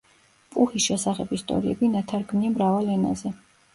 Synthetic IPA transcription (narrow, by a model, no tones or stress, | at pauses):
pʼuχisʃɛsaχɛbist̪ʼɔ̰ɾiɛbinat̪ʰaɾɡmniamɾavalɛna̰zɛ